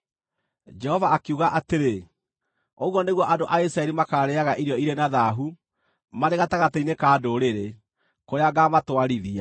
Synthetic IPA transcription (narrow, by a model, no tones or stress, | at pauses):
d͡ʒɛhɔvaːkiuɣaʔateɾe | oɣwɔneɣwɔʔadoʔaisɾaɛɾimakaːɾɛaɣaʔiɾjɔiɾenaðaɦu | maɾeɣataɣateinekaːdoɾeɾe | koɾeaɡamatwaɾiðia